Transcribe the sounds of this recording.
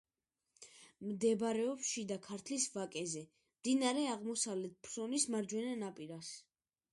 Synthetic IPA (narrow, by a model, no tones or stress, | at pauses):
md̪ɛbɾɛɔpʃid̪akʰaɾt̪ʰlisvakʼɛzɛ | md̪inaɾɛaʁmɔsavlɛt̪̚ʰpʰɾɾɔnismaɾd͡ʒwɛnanapʼiɾas